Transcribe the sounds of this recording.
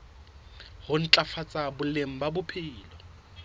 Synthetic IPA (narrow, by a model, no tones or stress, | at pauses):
hʊn̩t͡ɬʼafat͡sʼabʊlem̩babʊpʰiːlɔ